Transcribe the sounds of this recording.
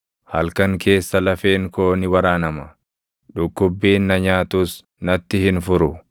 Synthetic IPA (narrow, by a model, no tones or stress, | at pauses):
hɐlkɐŋkʰe̞ːsːɐlɐfe̞ːŋkoːnɪwɐɾaːnɐmɐ | ᶑʊkːʊbːiːnːɐɲaːt̪ʊs | nɐt̪ːɪhɪnfʊɾʊ